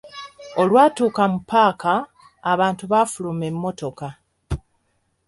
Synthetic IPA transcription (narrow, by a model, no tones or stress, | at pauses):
o̞lwaːtuːkamupːaːkaː | βaːntuβafulume̞mːo̞to̞ka